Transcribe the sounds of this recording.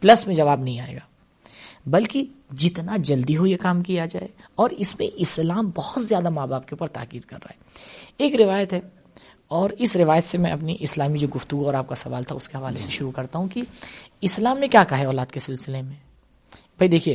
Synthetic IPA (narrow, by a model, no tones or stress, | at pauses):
plɐsmẽd͡ʒɐʋaːbnɐɦĩaːḛːɡaː | bɐlkid͡ʒɪt̪nad͡ʒɐld̪iɦojekaːmkijad͡ʒaːeɔːɾɪsmḛ̃ʔɪslaːmbɔhʊt̪zjaːd̪amaːbaːp̚keuːpəɾt̪a̰ːkiːd̪kɐ̰ɾːa̰ːɦɛeːkɾɪʋaːjət̪ɦɛ | ɔːɾɪsɾɪʋaːjət̪semɛ̃ɐpniʔɪslaːmid͡ʒoːɡʊft̪uɡuɔːɾaːp̚kasɐʋa̰ːlt̪ʰaʊskeɦɐʋaːleseʃʊɾukɐɾt̪aɦũkiɪslaːmnẽkjaːkaɦɛɔːlaːd̪kesɪlsɪlemẽː | b̥ʱɐid̪eːkʰieː